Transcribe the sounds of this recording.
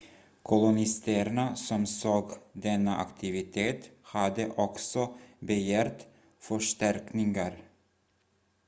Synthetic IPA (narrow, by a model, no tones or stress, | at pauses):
kʰʊlʊnɪst̪əɾɳasɔmsoːɡd̪ɛnːaʔa̰kt̪ʰɪvɪt̪ʰeːt̪had̪əʔɔksɔbɛjæːɾt̪ | fœʂʈæɾknɪŋaɾ